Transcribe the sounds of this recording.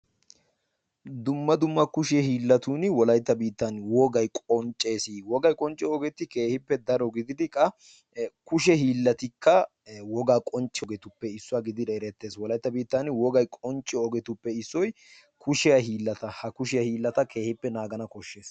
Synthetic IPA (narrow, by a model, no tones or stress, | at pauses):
d̪ʊmːɐd̪ʊmːɐkʊʃɛhiːlːɐt̪uːnɪwɔlɐjt̪ːɐbiːt̪ːɐnwɔɡɐjkʼɔnt͡ʃʼːe̞ːsiːwɔɡɐjkʼɔnt͡ʃʼːɛɔɡɛt̪ɪke̞ːhɪpːɛd̪ɐɾɔɡɪd̪ɪd̪ɪkʼːɐ | kʊʃ̬ɛhiːlːɐt̪ɪkːɐ | wɔɡaːkʼɔnt͡ʃʼːɛɔɡɛt̪ʊpːɛɪsːʊaɡɪd̪ɪd̪ɐɛɾɛt̪ːe̞ːswɔlɐjt̪ːɐbiːt̪ːɐnwɔɡɐjkʼɔnt͡ʃʼːɛɔɡɛt̪ʊpːɛɪsːɔj | kʰʊʃɪjɐɦiːlːɐt̪ɐhɐkʊʃɪjɐhiːlːɐt̪ɐkʰe̞ːhɪpːɛnaːɡɐnɐkɔʃːeːs